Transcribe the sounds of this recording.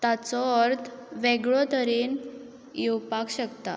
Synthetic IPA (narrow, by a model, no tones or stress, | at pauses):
t̪at͡sɔəɾt̪ʰʋeɡɭɔt̪əɾen | jewpakɕəkt̪a̰